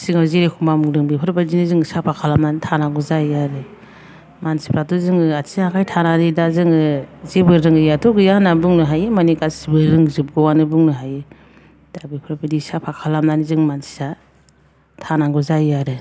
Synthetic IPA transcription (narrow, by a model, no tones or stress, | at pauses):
siŋazeɾekʰumamuŋdɯŋbepʰɯɾbadinɯzɯŋsapʰakʰalamnanitʰanaɡɔzaiaɾɯ | mansi̥pʰɾatuzɯŋɯatʰiakʰajtʰanadidazɯŋɯzebɯɾɯŋɯjatʰɔɡɯjanabuŋnɯɦajemanikasibɯɾɯŋzɯb̚ɡɯwanɯbuŋnɯɦaje | d̥abipʰɯɾbadisapʰakʰalamnanizɯŋmansi̥sa | tʰanaɡuzajaɾɯ